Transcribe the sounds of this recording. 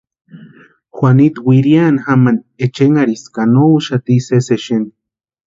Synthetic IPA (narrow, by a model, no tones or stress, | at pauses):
xʷanit̪wʷiɾianxaman | et͡ʃeŋaɾiskanouʃat̪iseseʃen